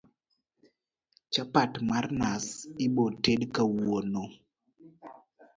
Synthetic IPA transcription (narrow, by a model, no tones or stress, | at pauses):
t͡ʃapatmarnasɪbotedkawono